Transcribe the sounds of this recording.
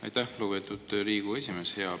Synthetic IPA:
ɑ̰jt̪æhlobet̪ˑud̪̥ɾiːɡ̥ue̞sʲime̞she̞ɑ

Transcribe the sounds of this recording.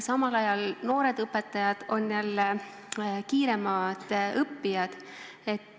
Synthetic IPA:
sɑmɑlɑjɑlno̞ːɾe̞d̪̥ɤpːˑet̪ːˑɑjɑd̪̥o̞njɑlːe | kiːɾe̞mɑd̪̥ɤpːijɑd̪̥ | e̞t̪ː

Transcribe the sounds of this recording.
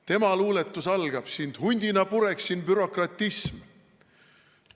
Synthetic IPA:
t̪e̞mɑluːle̞t̪ːˑusɑlɡ̥ɑb̥sind̪̥hunʲd̪̥inɑpuɾe̞ksinbyɾo̞krɑt̪ːˑism

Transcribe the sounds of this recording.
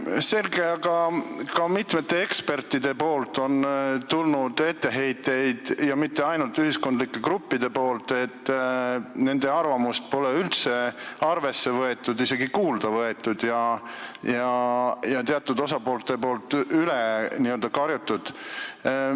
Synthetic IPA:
se̞lɡe̞ɑɡɑkɑmit̪me̞t̪ːˑe̞e̞kspe̞rt̪ːid̪̥e̞po̞ːlt̪ːo̞nt̪ulnud̪̥e̞t̪ːe̞ɦe̞jt̪ːˑe̞jd̪̥jɑmit̪ːe̞ɑjnult̪yhisko̞nd̪likˑːe̞kɾupːid̪̥e̞po̞ːlt̪e̞t̪ːˑ | ne̞nd̪e̞ɑrvɑmust̪̚po̞leylt̪se̞ɑrve̞sːe̞vɤe̞t̪ːˑud̪ise̞ɡikuːld̪̥ɑvɤe̞t̪ːˑud̪̥jɑ | jɑjɑt̪eɑt̪ːˑud̪̥osɑpo̞ːlt̪ːe̞po̞ːlt̪ˑyleniøld̪̥ɑkɑɾjut̪ːˑud̪̥

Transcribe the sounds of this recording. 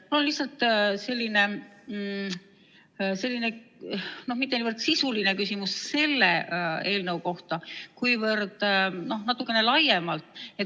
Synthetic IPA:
mulonlihsɑlt̪ˑse̞lʲːine̞ | se̞lːine̞ | no̞hmit̪ːenivərd̪sisuline̞kysimusse̞lːee̞ːlnewko̞ht̪ɑkujvɤrd̪̥no̞hnɑt̪ːˑukːˑe̞ne̞lɑjemɑlt̪ˑet̪

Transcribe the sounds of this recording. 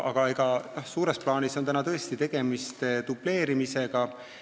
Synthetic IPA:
ʔɑɡ̥ɑe̞ɡɑnohsuːɾe̞splɑːniso̞nt̪ænɑt̪ɤ̞e̞st̪it̪e̞ɡ̥e̞mist̪et̪uple̞ːɾimise̞ɡ̥ɑ

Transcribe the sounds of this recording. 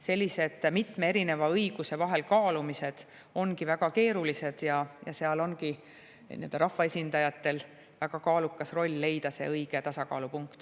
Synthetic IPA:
se̞lʲːise̞d̪̥mit̪meeɾine̞vɑɤjɡ̥use̞vɑɦe̞lkɑːlumise̞d̪̥ | o̞nkivæɡ̥ɑke̞ːɾulise̞d̪̥jɑjɑ̰se̞ɑlo̞nɡi | nḭøld̪ɑɾɑhfːɑe̞sʲind̪̥ɑjɑt̪ːˑe̞l | væɡ̥ɑkɑːlukːˑɑsro̞lʲːe̞jd̪̥ɑse̞̰ɤjɡ̥e̞t̪ɑsɑkɑ̰ːlupuŋkt̪

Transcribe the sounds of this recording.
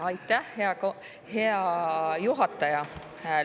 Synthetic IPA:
ɑjt̪ːæhheɑko | heɑjuɦɑt̪ːˑɑjɑ | hæː

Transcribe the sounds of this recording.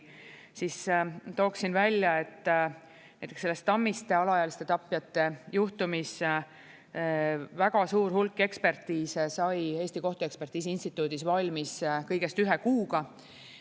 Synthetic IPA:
sist̪o̞ːksinvælʲːjɑe̞t̪ˑː | næjt̪ːˑekselːest̪ːɑmːist̪e̞ɑlɑjɑlist̪e̞t̪ɑpːˑjɑt̪ːe̞juht̪umis | væɡ̥ɑsuːɾhulkːˑe̞kspe̞rt̪ːˑiːssɑje̞ːst̪iko̞ht̪uekspert̪ːˑiːs̬iinʲst̪it̪ːˑuːd̪isvɑlʲmiskɤjɡ̥e̞st̪yɦe̞kuːɡɑ

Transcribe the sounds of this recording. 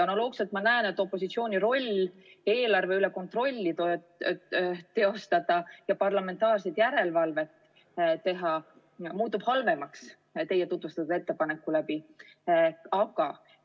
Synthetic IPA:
ɑnolo̞ːɡ̥selt̪mɑnæene̞t̪ːˑo̞pːˑo̞s̬it̪sio̞ːnʲiɾo̞lʲː | e̞ːlɑrve̞yle̞ko̞nt̪ro̞lʲːit̪o | t̪e̞o̞st̪ɑd̪̥ɑjɑpɑrlɑme̞nt̪ˑɑːrsed̪̥jæɾe̞lvɑlve̞t̪ | t̪e̞ɦɑ | muːt̪ːub̥hɑlve̞mɑks | t̪e̞jet̪ut̪vust̪ɑt̪ud̪e̞t̪ːe̞pɑne̞kːˑulæbi | ɑɡ̥ɑ

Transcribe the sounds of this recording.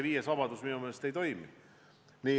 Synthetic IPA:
eviːjesɑbɑd̪usminumelest̪ejt̪o̞jmḭ | niː

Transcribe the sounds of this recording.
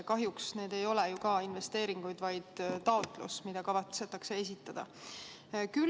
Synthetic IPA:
kɑɦjuksne̞ːd̪̥e̞jo̞lejukɑinve̞st̪e̞ːɾiŋɡ̥ujd̪̥vɑjd̪̥t̪ɑot̪ˑlṵsmid̪̥ɑkɑvɑt̪set̪ːˑɑkse̞es̬it̪ːˑɑd̪̥ɑ̰ | ky

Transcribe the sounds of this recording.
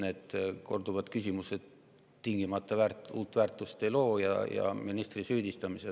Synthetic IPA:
ne̞ːd̪̥ko̞rd̪uvɑd̪̥kysʲimuse̞t̪ | t̪iŋɡ̥imɑt̪ːˑɑvæːruːlt̪ːˑvæːrt̪ːˑust̪e̞jlo̞ːjɑ̰jɑ̰minist̪risyːd̪ist̪ɑmise

